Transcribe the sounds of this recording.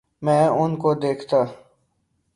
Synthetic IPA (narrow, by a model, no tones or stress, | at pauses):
mɛ̃ːʊnkod̪eːkʰt̪aː